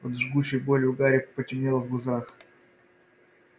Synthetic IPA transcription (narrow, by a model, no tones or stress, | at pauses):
ot̪ʐɡut͡ɕɪjbolʲɪʊɡaɾʲɪk̚pətʲɪmnʲelˠvɡˠʊzax